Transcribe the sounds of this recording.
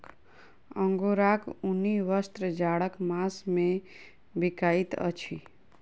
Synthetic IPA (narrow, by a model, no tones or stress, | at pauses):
ə̃ŋɡoɾakuniʋəst̪ɾəd͡ʒaɽəkmasmẽ | bɪkait̪ə̰t͡ʃʰi